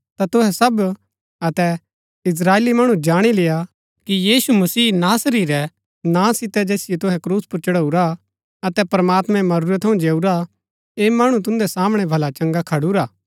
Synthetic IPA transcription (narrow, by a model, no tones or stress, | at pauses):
t̪at̪ʊɦɛsɐb | ɐt̪ɛ | ɪs̬ɾaːeːlimɐɽ̃ũd͡ʒaːɽ̃ilɪja | kijiːsumɐsiːnaːsəɾiːɾɛ | nãsɪt̪ɛd͡ʒeːsɪjɛt̪ʊɦɛkɾuːspʊɾt͡ʃɐɽəuɾa | ɐt̪ɛpɐɾɐmaːt̪mɛ̃mɐɾuɾɛt̪ʰːɐũd͡ʒeːuɾa | eːmɐɽ̃ũt̪̬ʊ̃nd̪ɛsaːməɽ̃ɛbʱɐlat͡ʃɐ̃ŋɡakʰɐɽuɾaː